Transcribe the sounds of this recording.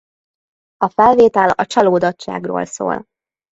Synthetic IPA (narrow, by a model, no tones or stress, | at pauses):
ɒfɛlveːt̪ɛlɒt͡ʃɒloːd̪ɒtt͡ʃːa̰ːɡro̰ːlso̰ːl